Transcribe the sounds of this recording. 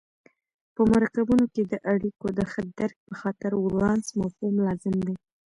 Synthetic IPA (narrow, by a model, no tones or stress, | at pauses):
pəmaɾɑkabunoked̪əʔaɽikod̪əxəd̪aɾk̚pəxɑt̪ɪɾwɾɑnsmawhumlɑzɪmd̪e